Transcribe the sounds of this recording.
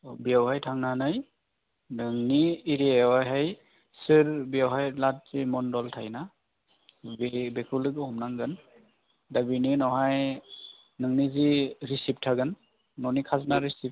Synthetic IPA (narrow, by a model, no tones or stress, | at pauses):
bijawhajtʰaŋnanaj | nɯŋniːɾiewajɦaj | sɯɾbijawɦajlat̚z̥imɔndɔltʰajna | bibekʰulɯɡɯhɔmnaŋɡɯn | dabininɔwɦaj | nɯŋniziɾisip̚tʰaɡɯnː | ɔnikʰaznaɾisip̚